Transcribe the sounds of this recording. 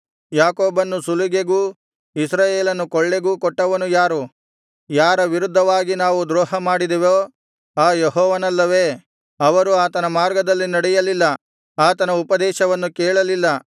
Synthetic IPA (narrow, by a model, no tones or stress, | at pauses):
jaːkoːbɐnːusuluɡeɡuː | isɾaːjeːlɐnːukɔɭːeɡuːkɔʈːɐʋɐnujaːɾu | jaːɾɐʋiɾud̪ʱːɐʋaːɡinaːʋud̪ɾoːɦɐmaːɽid̪iʋoː | aːjeɦɔːʋɐnɐlːɐʋeː | ɐʋɐɾuaːt̪ɐnɐmaːɾɡɐd̪ɐlːinɐɽɛjɐlilːɐ | aːt̪ɐnɐupɐd̪ɛːʃɐʋɐnːukɛːɭɐlilːɐ